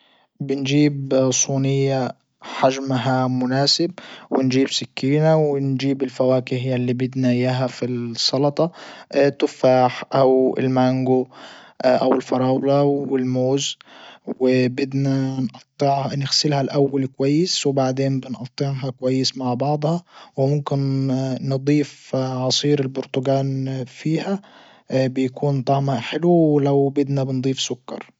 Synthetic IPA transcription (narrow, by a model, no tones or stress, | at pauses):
bɪnd͡ʒiːbsˤuːnɪjːa | ħaʒmɦamʊnaːsɪbwɪnd͡ʒiːbsɪkːiːnawɪnd͡ʒiːbɪlfawaːkɪhjalːiːbɪd̪najaɦafisˤɑlɑt̪ˤɑt̪ʊfaːħʔawɪ̰lmaŋɡʊʔʔawɪlfɑɾˤɑːwlɑɪlmoːzwɪbɪd̪nænʔɑt̪ˤːɪʕnɪɣsɪlhælʔawːalkʊwajːɪswɪbaʕd̪eːnbɪnʔɑt̪ˤːɪʕɦɑkʊwajːɪsmaʕbɑʕd̪ˤhɑwɪmʊmkɪnːɨd̪ˤiːfʕɑsˤiːɾɪlbʊɾt̪ʊɡaːnfiːhæ | bɪjkuːnt̪ˤɑʕmaʔħɪlwwlawbɪd̪næbɪnd̪ˤiːfsʊkːɑ̰ɾˤ